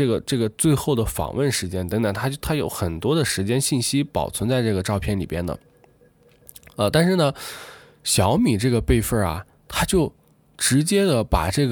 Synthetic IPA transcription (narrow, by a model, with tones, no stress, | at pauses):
ɤ˥˩ɡə˩ʈ͡ʂɤ˥˩ɡə˩t͡swe˥˧ɪxo˥˩ʊd̪ə˩fɑ̰˨˩ŋwə˥˩nʂɻ̩˧˥t͡ɕjɛ˥nt̪əɤ˧˥ŋt̪ə˨˩ŋt̪ʰa˥t͡ɕjo˥˧˩t̪ʰa˥jo˧˥ʊxə˨˩nt̪wɔ˥d̪ə˨ʂɻ̩˧˥t͡ɕjɛ˥nɕi˥˩nɕi˥pɑ̰˨˩ʊt͡sʰwə˧˥nt͡sa˥˧ɪʈ͡ʂɤ˥˩ɡə˩ʈ͡ʂɑ˥˧ʊpʰjɛ˥˩nlḭ˨˩pjɛ̰˥nd̪ə̰˨ | ə˧t̪a˥˧nʂɻ̩˥˩nə˩ | ɕjɑ˧˥ʊmi˨˩ʈ͡ʂɤ˥˩ɡə˩pe˥˧ɪfə˥˩ɐ̰˩ | t̪ʰa˥t͡ɕjo˥˩ʊ | ʈ͡ʂɻ̩˧˥t͡ɕjɛ˥d̪ə˨pa̰˨˩ʈ͡ʂɤ˥˩ɡ